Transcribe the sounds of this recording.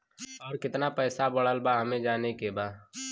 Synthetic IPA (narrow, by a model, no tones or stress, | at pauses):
ɔːɾkɪt̪napɛːsabəɽəlbaɦɐmẽd͡ʒaːnekebaː